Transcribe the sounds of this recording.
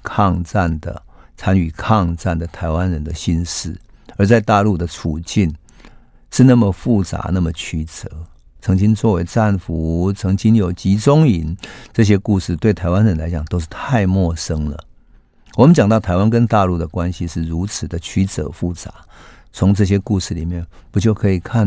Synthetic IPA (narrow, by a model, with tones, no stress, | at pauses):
kʰɑ˥˧ŋt͡sa˥˩nd̪ə̰˩t͡sʰa˦˥ny˨˩kʰɑ˥˧ŋt͡sa˥˩nd̪ə˩t̪ʰa˧˥ɪwa˦nɻə˧˥nd̪ə˨ɕi˥˧nʂɻ̩˥˩ə˞˨˧˥t͡sa˥˧ɪt̪a˥˧lu˥˩d̪ə˩t͡sʰu˨˩t͡ɕi˥˩n | ʂɻ̩˥˧na˥˩mə˨fu˥˩t͡sa̰˨˧˥na˥˩mə˩t͡ɕʰy˧˥t͡sɤ̰˨˦ | t͡sʰɤ˧˥ŋt͡ɕi˦ŋt͡swɔ˥˩we˧˥ɪt͡sa˥˩nfu˨˦t͡sʰɤ˧˥ŋt͡ɕi˦˥ŋjo˨˩ʊt͡ɕi˧˥t͡sʊ˥ŋi˨˦nt͡sɤ˥˧ɕ̬jɛ˥ku˥˧ʂɻ̩˥˧t̪we˥˩ɪt̪ʰa˧˥ɪwa˦nɻə˧˦nla˧˦ɪt͡ɕja˨˩ŋt̪o˥ʊʂ̬̩˥˩t̪ʰa˥˧ɪmwɔ˥˩ʂə˦ŋlə̰˨ | wɔ˨˩mə˦nt͡ɕjɑ˨ŋt̪ɑ˥˩ʊt̪ʰa˧˥ɪwa˦nkə˦nt̪a˥˧lu˥˩d̪ə˩kwa˦nɕi˨ʂɻ̩˥˩ɻu˧˥t͡s̩ʰ˨˩d̪ə˦t͡ɕʰy˧˥t͡sə̰˨˧˦fu˥˩t͡sa̰˧˦ | t͡sʰʊ˧˥ŋt͡sɤ˥˧˩ɕ̬jɛ˦ku˥˧ʂɻ̩˥˩li˨˩mjɛ˥˩npu˨˥t͡ɕjo˥˩ʊkʰɤ˧˥i˨˩kʰa˥˩n